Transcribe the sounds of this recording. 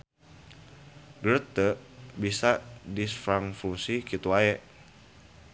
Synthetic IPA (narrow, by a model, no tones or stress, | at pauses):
ɡɾət̪əbisadisfɾaŋfuŋsikit̪uaɛʔ